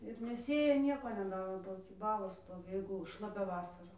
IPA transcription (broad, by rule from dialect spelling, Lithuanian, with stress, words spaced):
ɪr nʲɛˈsʲeːjɛ ˈnʲiɛkoː nʲɛˈdɑːroː bɐ ˈtʲiː ˈbɑːlˠoːs ˈstoːʋʲɪ ˈjɛɪɡʊ ʃlˠɐˈpʲɛ ˈʋɑːsɐrɐ